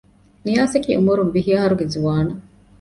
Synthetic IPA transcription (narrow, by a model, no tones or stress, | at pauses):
nijaːsɐkḭːʔumuɾunbiɦiɐɦɐɾuɡezuʋaːnɐ